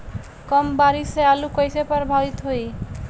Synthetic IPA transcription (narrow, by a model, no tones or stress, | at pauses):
kɔmbaɾisealukɔjsepɔɾbʱabit̪ɦoj